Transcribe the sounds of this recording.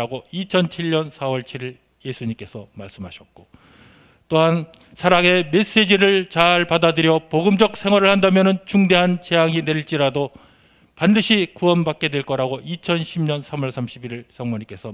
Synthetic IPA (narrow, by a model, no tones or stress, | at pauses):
aɡoit͡ɕʰʌnt͡ɕʰiɭɲʌnsʰawʌɭt͡ɕʰiɾiɭ | je̞sʰuɲimk͈e̞sʰʌmaɭs͈ɯmɦaɕʰʌt̚k͈o | t͈oɦan | sʰaɾaŋe̞me̞s͈e̞d͡ʑiɾɯɭt͡ɕaɭpadadɯɾjʌpoɡɯmd͡ʑʌk̚s͈ʰe̞ŋwaɾɯɭhandamjʌnɯnt͡ɕuŋde̞ɦant͡ɕe̞jaŋine̞iɭt͡ɕ͈iɾado | pandɯɕʰikuʌnbak̚k͈e̞dwe̞ɭk͈ʌɾaɡoit͡ɕʰʌnɕʰimɲʌnsʰamʌɭsʰamɕʰibiɾɯɭsʌŋwʌɲimk͈e̞sʰʌ